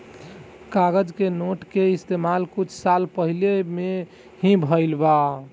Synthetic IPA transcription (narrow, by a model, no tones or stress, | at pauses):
kaɡəd͡ʒkenoʈkeist̪emalkut͡ʃʰsalpəɦileme | hĩbʱəɪlba